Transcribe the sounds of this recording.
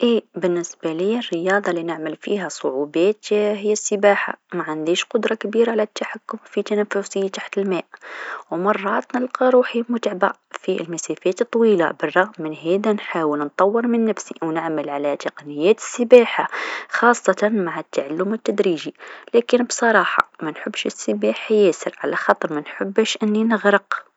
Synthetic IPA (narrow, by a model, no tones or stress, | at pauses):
ʔibənːəsbaliərːəjɑd̪ˤɑlinəʕməlfiɦæsˤʊʕubɑt̪ɦəjːæsːəbaːħa̰maʕand̪iʃqʊd̪ɾˤɑkbiːɾaʕlæt̪ːaħakːʊmfit̪ænæfːʊsit̪aħt̪əlmæːʔwmɑrˤːɑt̪nəlqɑɾˤuːħimʊt̪ʕba | fḭlmæsæfæːt̪t̪ˤːwiːla̰bɑrˤːɑɣmːɪnɦæd̪ænħaːwəlnt̪ˤɑwːəɾmɪnːæfsiwnəʕməlʕalæt̪ɪqnɪjːæːt̪ə̥sːəbaːħaxɑːsˤːɑt̪ɑnmaʕat̪ːaʕalːʊmət̪ːæd̪ɾiːʒilækənbsˤɑɾˤɑːħɑ̰mænħəbːʃəsːəbaħajæsəɾʕalaxɑt̪ˤɑɾˤmænħəbːʃʔɪnːinəɣɾəq